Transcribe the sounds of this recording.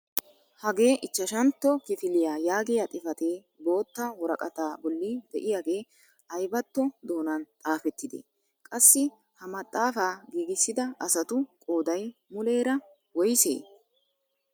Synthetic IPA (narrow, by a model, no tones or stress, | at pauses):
hɐɡe̞ːʔɪt͡ʃːɐʃɐnt̪ːɔkɪfɪlɪjaːjaːɡɪjat̪ʼɪfɐt̪eː | bo̞ːt̪ːɐwɔɾɐ̰kʼɐt̪aːbɔlːɪd̪ɛʔɪjaːɡe̞ː | ɐjbɐt̪ːɔd̪o̞ːnɐnt̪ʼaːfɛt̪ːɪd̪ḛ | kʼɐsːɪ | hɐmɐt̪ʼːaːfaːɡiːɡɪsːɪd̪ɐɐsɐt̪ʊkʼoːd̪ɐjmʊle̞ːɾɐ | wɔjsḛː